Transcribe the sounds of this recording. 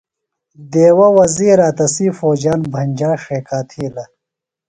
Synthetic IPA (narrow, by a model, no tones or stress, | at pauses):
d̪eːwɐwɐziːɾaːt̪ɐsiːfoːd͡ʑaːnbʱɐnʲd͡ʑaːʂeːkaːt̪ʰiːlɐ